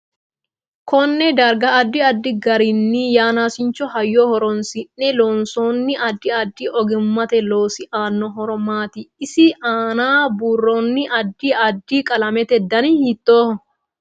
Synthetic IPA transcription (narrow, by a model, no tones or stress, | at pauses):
kɔnːɛd̪ɐɾɡɐʔːd̪ːɪɐd̪ːɪɡɐɾɪnːijaːnaːsɪnt͡ʃːɔɦɐjːoːhɔɾɔnsɪnːɛloːnsoːnːɪʔɐd̪ːɪɐd̪ːɪʔɔɡɪmːɐt̪ɛloːsɪʔaːnːɔɦɔɾɔmaːt̪ɪɪsɪʔaːnaːbuːrːɔnːɪʔɐd̪ːiɐd̪ːikʼɐlɐmɛt̪ɛd̪ːɐnihɪt̪ːoː